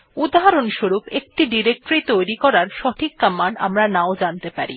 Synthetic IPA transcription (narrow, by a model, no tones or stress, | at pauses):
ud̪ɦaɾonʃoɾupek̚ʈiɖiɾek̚ʈoɾit̪ojɾikɔɾaɾʃɔʈʰikːamːanɖa̰mɾanaod͡ʑant̪epaɾḭ